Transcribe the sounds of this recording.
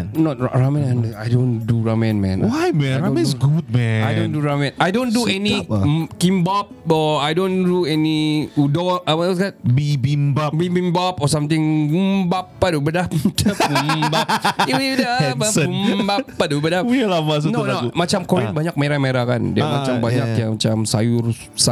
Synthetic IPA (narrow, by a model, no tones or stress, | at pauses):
nnɔt̚ɹamɛ̃nanla̰jdõnduɹamɛ̃nmɛ̰̃nwajmɛ̃aɛsɡut̚mɛ̃ajdonduɾamɛ̃najdonduɛnikimbap̚ɔajdõnduɛniudɔaskat̚bibimbabibimbapɔsamt̪ɪŋɡumbapːadubədap̚mdap̚umbapiiudanpsumbapːadubədaplamas̬unoloumat͡ʃamkɔɾibaɲak̚meɾameɾaka̰ndiamat͡ʃambaɲakjamat͡ʃamsajur | sa